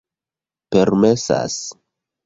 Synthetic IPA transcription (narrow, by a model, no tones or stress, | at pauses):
peɾmesa̰s